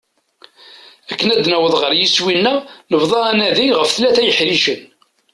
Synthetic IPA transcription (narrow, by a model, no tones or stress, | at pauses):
ækːənæd̪næwəðˤʁəɾjiswinːænəvðˤɑænæðiʁəfθlæθæjəħɾiʃən